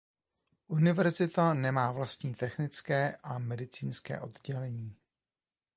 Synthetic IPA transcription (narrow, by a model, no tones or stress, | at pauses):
ʔunɪvɛɾzɪt̪anɛmaːvlast̪ɲiːt̪ɛxnɪt͡skɛːʔamɛdɪt͡siːnskɛ̰ːʔo̞d̪ɟɛlɛɲiː